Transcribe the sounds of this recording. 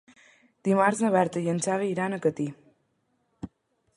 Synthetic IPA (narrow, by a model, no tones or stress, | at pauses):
d̪̥imaɾznəβɛɾt̪əjənt͡saβeiɾanəkət̪i